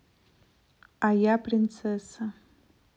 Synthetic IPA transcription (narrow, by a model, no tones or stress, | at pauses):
ajapʰʼrɪnt͡sʰesa